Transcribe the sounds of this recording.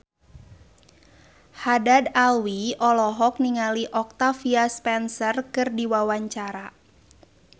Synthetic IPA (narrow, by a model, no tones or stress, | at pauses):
hadadawiɔlɔɦɔk̚niŋaliʔɔk̚t̪afiaspɛnsərkɨrdiwawaɲt͡ʃaɾa